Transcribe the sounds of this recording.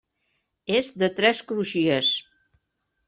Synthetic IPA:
ezd̪ət̪ɾɛskɾuʃiəs

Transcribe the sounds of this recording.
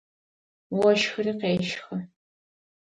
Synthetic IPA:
wɐʃxɨriːqeːʃxɐ

